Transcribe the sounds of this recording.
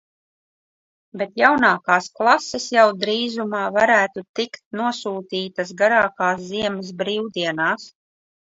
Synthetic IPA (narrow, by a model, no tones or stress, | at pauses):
bet̪jawnaːkaːsklˠasɛsjawd̪ɾiːzumaːvaɾæːt̪ut̪ikt̪̚nuɔsuːt̪iːt̪as̬ɡaɾaːkaːsziɛməs̬bɾiːwd̪iɛnaːs